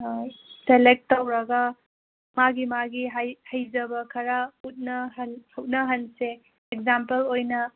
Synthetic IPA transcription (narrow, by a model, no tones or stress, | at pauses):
selek̚tːɐwɾɐɡɐ | maɡimaɡiɦajhɐjd͡ʒɐbɐkʰɐɾaut̚nɐɦɐnhɐwt̚nɐɦɐnse | ekzampɐlojnɐ